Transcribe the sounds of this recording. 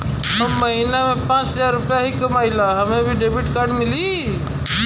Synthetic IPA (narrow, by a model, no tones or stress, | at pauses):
ɦəmːəɦinamẽpãːt͡ʃɦəzaɾːʊpjaɦikəmaːɪlaɦəmẽbʱiɖebɪʈkaːɾɖmɪli